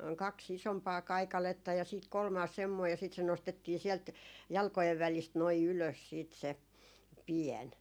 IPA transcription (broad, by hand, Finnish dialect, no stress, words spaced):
kɑks isompɑː kɑikɑletːɑ jɑ siːt kolmɑːs semːoi jɑ siˑt se nostetːiː siɛlt jɑlkojeʋ ʋælist noi yløs siːt se piɛn